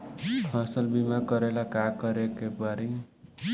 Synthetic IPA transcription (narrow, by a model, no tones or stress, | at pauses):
ʌsʌlbimakʌɾelakakʌɾekebaɾi